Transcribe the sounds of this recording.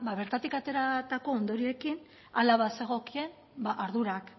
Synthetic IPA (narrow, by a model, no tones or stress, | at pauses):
baβe̞ɾt̪at̪ikat̪e̞ɾat̪ako̞ːnd̪o̞ɾie̞kin | alaβase̞ɣ̞o̞kie̞n | baʔaɾðuɾak